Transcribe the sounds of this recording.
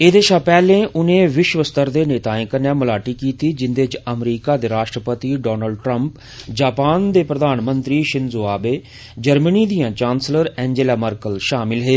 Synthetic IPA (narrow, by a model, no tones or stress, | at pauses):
eːd̪eːʃaːpɛːlẽːʔʊnẽːʋɪʃʋəst̪əɾd̪eːneːt̪aːɪ̃kənjãːməlaːʈiːkiːt̪iːd͡ʒɪnd̪eːt͡ʃəmɾiːkaːd̪eːɾaːʃʈɾəpət̪iːɖɔːnəlɖʈɾəmp | d͡ʒaːpaːnd̪eːpɾəd̪aːnmənt̪ɾiːʃɪnzoːaːbeː | d͡ʒəɾməniːd̪ijãːt͡ʃãːnsləɾɛ̃ːɲd͡ʒelaːməɾkəlʃaːmɪlɦeː